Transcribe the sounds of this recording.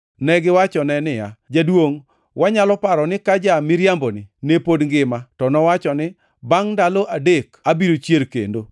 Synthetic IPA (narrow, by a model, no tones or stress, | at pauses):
nɛɡɪwat͡ʃɔnɛnɪja̰d͡ʒadwoŋ | waɲalɔpaɾɔnɪkad͡ʒamɪɾjambonɪ̰nepodŋɡɪmatɔnɔwat͡ʃɔnɪ | baŋndaloʔadekabiɾot͡ʃjeɾkḛndo